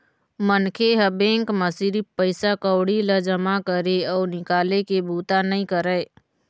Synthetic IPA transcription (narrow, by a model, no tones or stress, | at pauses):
mənkʰeɦəbẽːŋkməsiɾipəɪsakəwɽiləd͡ʒəmakəɾeɔːɾnɪkaːlekebʱuːt̪anəĩkəɾəe